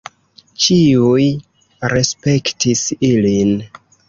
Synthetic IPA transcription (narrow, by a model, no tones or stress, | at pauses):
t͡ʃiuj | ɾe̞spe̞ktisilin